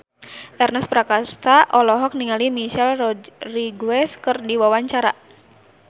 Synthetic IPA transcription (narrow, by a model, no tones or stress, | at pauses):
ʔɛrnəspɾakasaʔɔlɔɦɔk̚niŋalimiʃɛlɔriɡwɛskɨrdiwawaɲt͡ʃaɾa